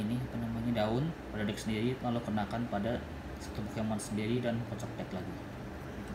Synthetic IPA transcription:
inimənəmuɲadaʊnpəɾadɛk̚səndiɾilalakənakanpada | sə̥t̪ubukjamansəndiɾidanpɔt͡ʃɔk̚dɛklaɡi

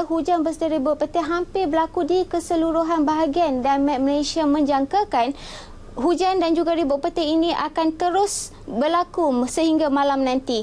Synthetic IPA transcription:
ɦud͡ʒanbəsədiɾibʊʔ̚pət̪ɛɦampɪbəlakudikəsəluɾuɦanbaɦaɡiandanmɛ̃məlasiamə̃ɲd͡ʒaŋkakan | ɦud͡ʒandand͡ʒuɡaɾibʊʔ̚pət̪ɛinĩʔakant̪əɾʊs | bərlakumsəɦiŋɡamãlamnãnt̪i

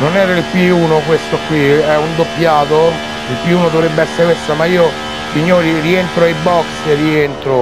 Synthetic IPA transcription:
nonɛːɾailpiuːnokwest̪okːwiɛund̪opːjaːt̪o | ilpiuːnod̪ovɾebːeɛsːeɾepwesamaiːo | siɲːoːɾirient̪ɾoajbɔkserːient̪ɾo

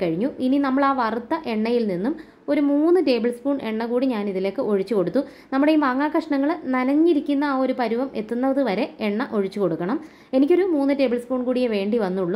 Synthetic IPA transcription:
kɐɻiɲːuininɐmːɐɭaːʋɐrut̪ːɐʔe̞ɳːɐjilninːum | o̞ɾumuːnːɨʈe̞ːbɨlspuːɳʔe̞ɳːɐkuːɽiɲaːniðile̞ːkːɨʔo̞ɻit͡ɕːuko̞ɽut̪ːu | nɐmːuɽeimaːŋːaːkɐʂɐɳɐŋːɐɭnɐnɐɲːiɾikʲːunːɐːo̞ɾupɐɾuʋɐmʔe̞t̪ːunːɐðɨʋɐɾe̞eɳːɐʔo̞ɻit͡ɕːuko̞ɽukːɐɳɐm | e̞nik̬ʲːo̞ɾumuːnːɨʈe̞ːbɐlsfuːɳkuːɽijeʋe̞ːɳɖiʋɐnːuɭːu

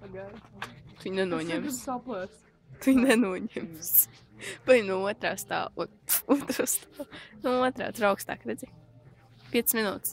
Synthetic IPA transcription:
aɡajt̪ujnɛnuɔɲɛmssaplˠɛs | t̪ujnɛnuɔɲɛmms | bajnuuɔt̪ɾaːst̪a̰ːu | uɔt̪ɾost̪anuuɔt̪ɾa̰ːsɾawkst̪a̰ːkɾɛd̪zi | pʲiɛt̪sɨsminṵːt̪s

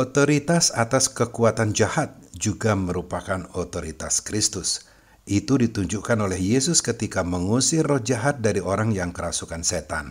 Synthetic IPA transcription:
ot̪oɾit̪asat̪askəkuat̪and͡ʒahat̪̚d͡ʒuɡaməɾupakanot̪oɾit̪askɾist̪ʊs | it̪udit̪uɲd͡ʒukanolɛhjesʊskət̪ikaməŋusɪrɔhd͡ʒaɦat̪̚daɾioɾaŋjaŋkəɾasukanset̪a̰n

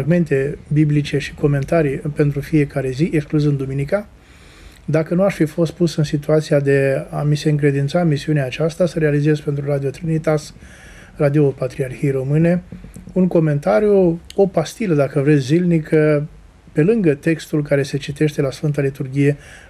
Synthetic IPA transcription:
ɾaɡme̞nt̪e̞biblit͡ʃe̞ʃi̥ko̞me̞nt̪aɾijpe̞nt̪ɾufije̞kaɾe̞ziʔekskluzɨnd̪uminika | d̪akənuaʃʲfifo̞st̪̚pusɨnsit̪uat̪sijad̪e̞amise̞ɨŋkɾe̞d̪int̪samisiuneaːt͡ʃast̪asəɾealize̞zpent̪ɾuɾad̪io̞t̪ɾinit̪as | rad̪io̞pat̪ɾiarxiejɾo̞mɨne̞uŋko̞me̞nt̪aɾijuo̞past̪iləd̪akəvɾe̞t̪sʲːilnikʰə | pe̞lɨŋɡət̪e̞kst̪ulkaɾe̞se̞t͡ʃit̪e̞ʃt̪e̞lasfɨnt̪alit̪urɡʲije̞

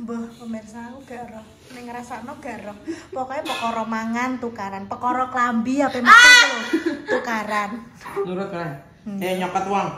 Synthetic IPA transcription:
mbəhpəmɛnsakuɡ̥a̤ɾɔ | nɪŋɾasanɔɡ̥a̤ɾɔpɔkɔjepəkɔɾɔmaŋant̪ukaɾanpəkɔɾɔklambiapemətuot̪ukaɾan | nuɾʊt̪̚kɾan | ɛɲɔkət̪waŋ

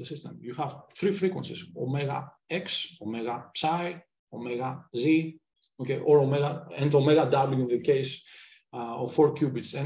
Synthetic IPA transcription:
əsɪstɛ̰̃mjuhavθɾifɹikwə̰̃nsɪsɔmɛɡa̰ | ɛksɔmɛɡapsaj | omɛɡazi | okeʔɔɹɔmɛɡaɛ̃ntəlˠmɛɡadabljuɪ̃nðəkeɪs | ɔfɔɹkjubɪtsɛ̃

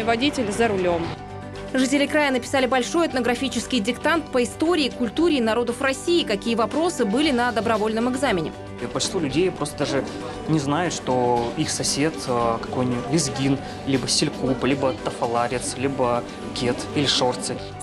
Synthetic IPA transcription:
vɐdʲitʲɪlʲzəɾʊlʲom | ʐɨtʲɪlʲɪkɾajənəpʲɪ̥salʲɪbɐlʲʂo̞jɐt̪nəɡɾɐfʲit͡ɕɪskʲɪjdʲɪkt̪ant̪pəɪst̪o̞ɾʲɪːkʊlʲt̪uɾʲɪːnɐɾo̞d̪əfrɐsʲiːkɐkʲijəvɐpɾo̞sɨbɨlʲɪnəd̪əbɾɐvo̞lʲnəmɨɡzamʲɪnʲɪ̰ | pə̥lʲʃɪ̥t̪volʲʉdʲejpɾo̞st̪əd̪aʐɨ | nʲɪznajʊt̪ʂt̪oixsɐsʲe̞t̪kɐ̥kojnʲit̪ʲlʲɪzɡʲin | lʲibəsʲɪlʲkuplʲibət̪əfɐlˠaɾʲɪt̪slʲibə | kʲet̪ilʲɪʂort̪sɨ

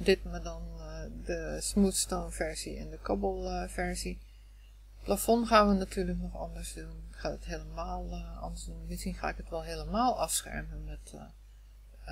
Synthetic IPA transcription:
dɪt̚madɔndəsmutstoːnfɛɹsiɛ̰ndəkʰɔbəlˠfɛɹsi | plafɔnxaːnʋənatʰyːɹləknɔxɔ̰ndəɹsdunɪxadətɦeːləmaːlˠɔ̰ndəɹsdunmɪsxinxa̰ːɪkətʋɛlˠɦeːləmaːlˠɔfsxɛ̰ɹmənmɛt

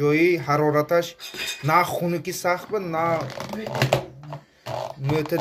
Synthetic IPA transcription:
ɔjiɦaɾɔɾat̪aʃnaχunikisaχt̪̚bəna | møt̪ʰɛ

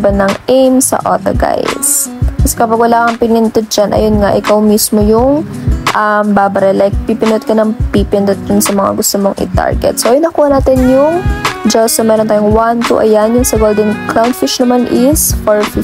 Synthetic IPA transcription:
bɐnɐŋʔejmsɐ̰ʔo̰ːt̪ɐ̰ɡa̰jskɐsɛ̥kɐpɐɡwɐlaːkɐŋpɪnɪnt̪ʊt̪̚d͡ʒɐnʔɐ̰jonŋaʔɪkawmismojʊŋ | ʔɐmbaːbɐɾɛlɛk̚pipɪnot̪̚kɐnɐŋpipɪnd̪ot̪̚d̪ʊnsɐmɐŋa̰ɡʊst̪omoŋʔɪ̰t̪a̰ɹɡɛ̰t̪̚soʔɐjʊnːɐkuːhɐnaːt̪ɪnjʊŋd͡ʒɐsomɛːɾont̪aːjʊŋwant̪ṵʔɐ̰janjʊŋsɐɡold̪ɛnklawnd̪fɪʃnɐmanʔɪsfoɹf

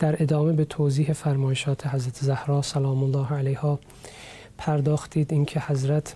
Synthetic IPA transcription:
d̪̥æɾʔe̞d̪ɒːme̞bet̪ʰoːziːɦe̞fæɾmɒːjeʃɒːt̪ʰe̞ɦæzɾæt̪ʰezæhɾɒːsælɒːmolːɒːhælæjhɒː | pʰæɾd̪ɒːxt̪iːd̪iːncʰe̞hæzɾæt̪ʰ

